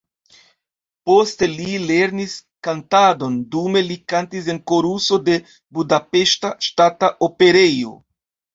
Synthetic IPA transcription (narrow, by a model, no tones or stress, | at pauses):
po̞ste̞lile̞ɾniskantado̞ndume̞likantis̬e̞nko̞ɾuso̞de̞ | budape̞ʃtaʃtataʔope̞ɾe̞jo̞̰